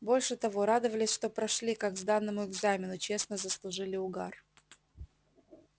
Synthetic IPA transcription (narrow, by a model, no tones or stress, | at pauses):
bo̞lʲʂɨt̪ɐvo̞ɾad̪əvəlʲɪsʲʂt̪o̞pɾɐʂlʲikaɡzd̪anːəmʊɪɡzamʲɪnʊt͡ɕe̞snəzəslˠʊʐɨlʲɪʊɡ̪a̰r